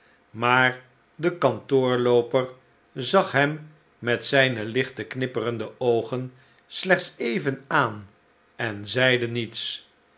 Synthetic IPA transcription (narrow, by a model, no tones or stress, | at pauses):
maːɹ | dəkɑntʊːɹlowpəɹ | zɑχɦɛmː | ɛtsɛjnəlɪχtəknɪpərəndəowχən | slɛχt̪sejvənaːn | ɛnzɛjdənits